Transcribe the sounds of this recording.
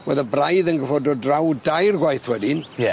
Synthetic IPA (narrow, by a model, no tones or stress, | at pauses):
wɛðabrajðənɡəfɔdɔdrawdajrɡwajθwɛdɪnɛ